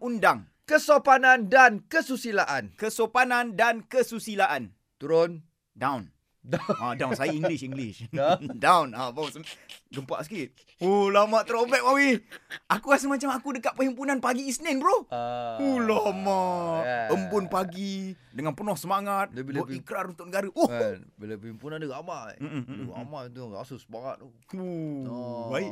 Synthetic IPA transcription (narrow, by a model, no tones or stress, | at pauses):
ʔundaŋ | kəsopanandankəsusilaʔankəsopanandankəsusilaʔan | t̪uɾʊn | dawn | adawnsajaiŋɡliʃiŋɡlɪʃdawnabasəɡəmpa̰ʔskɾit̪̚ | olamãʔt̪ɾopɛk̚mawiʔakukas̬əŋmat͡ʃamakudəkaʔ̚pəhimpunanpaɡiːsnɛnbɾoholama | əmbʊnpaɡi | dəŋanpənɔhsəmaŋat̪̚dbilikɾaɾunt̪ʊkʔnəɡaɾəʔobilapəimpunandəɡamaʔm̩m̩a̰maʔit̪ujŋa̰susəmaŋa̰t̪̚u | u | baiʔ